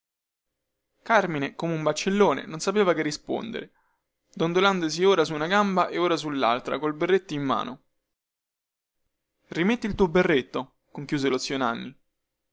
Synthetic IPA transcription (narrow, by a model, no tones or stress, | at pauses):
karminekomeumbat͡ʃːelːoːnḛnonsapeːvakerːispo̰nd̪ḛɾe | d̪ond̪oland̪os̬ioːɾasuːnaɡambaʔeoːɾas̬ulːa̰lt̪ɾa̰kolberːet̪ːoimːa̰ːno̰ | rimet̪ːilt̪uːoberːet̪ːo | koŋkjuːzelot̪sːjonanːi